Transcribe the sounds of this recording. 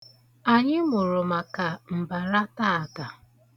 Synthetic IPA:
a˨ɲɪ˦mʊ˨ɾʊ˨ma˨ka˨m̩˨ba˨ɾa˦ta˦a˨ta˨

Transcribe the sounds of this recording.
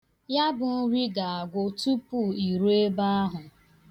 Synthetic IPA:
ja˦bʊ˨n̩˦ɾi˦ɡa˨a˨ɡʷo˨tu˦pu˦˨i˨ɾu˦e˦ba˦a˦ɦʊ˨

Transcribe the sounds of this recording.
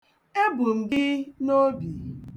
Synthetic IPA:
e˦bu˨m̩˨ɡɪ˦no˦bi˨

